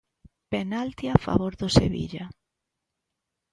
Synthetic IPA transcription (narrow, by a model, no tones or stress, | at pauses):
penalt̪iafa̰βoɾðʊsḛβḭʎa